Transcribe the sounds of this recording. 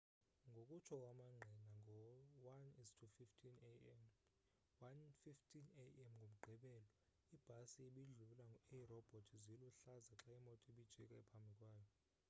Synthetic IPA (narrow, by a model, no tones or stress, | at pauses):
ŋɡʱokʼut͡ʃʰɔk̬ʼwamaŋ͡ǁʱɛnaŋʱɔwanistʰufiftʰʼinm | wanfiftʰʼineɛmŋɡʱom̩ɡ͡ǃʱɛɓɛːlɔ | ib̥ʱasieɓiɮulaerɔb̥ʱotʰiziluɬazaǁaimɔtʼiɓid̥ʒ̥ʱɛkʼaɛpʰambʱikʼwaːjɔ